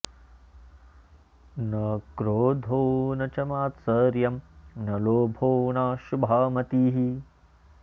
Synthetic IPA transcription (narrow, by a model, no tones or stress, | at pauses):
nɐkɾoːd̪ʱoːnɐt͡ʃɐmaːt̪sɐɾjɐmnɐloːbʱoːnaːʃubʱaːmɐt̪iːɦi